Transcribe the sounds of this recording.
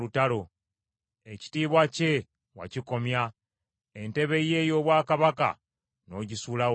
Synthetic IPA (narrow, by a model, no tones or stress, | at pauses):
utalo | eci̥tiːβwace̞ | wa̰ciko̞mja | ente̞βe̞je̞ːjo̞ːβwaːkaβaka̰ | no̞ːɟisuːla